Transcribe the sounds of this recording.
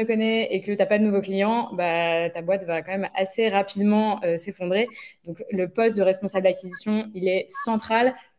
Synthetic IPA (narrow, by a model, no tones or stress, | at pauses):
əkɔnɛekət̪yapad̪ənuvoklijɑ̃bat̪abwat̪vakɑ̃mɛmaseʁapid̪mɑ̃øsefɔ̃d̪ʁed̪ɔ̃kləpɔst̪̚d̪əʁɛspɔ̃sabld̪akʲizisjɔ̃ilɛsɑ̃t̪χal